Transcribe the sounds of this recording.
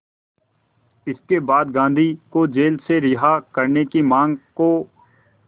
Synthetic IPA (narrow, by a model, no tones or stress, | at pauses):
ɪskebaːd̪ɡãːnd̪ʱikod͡ʒeːlseɾɪɦakɐɾnekimãːŋɡko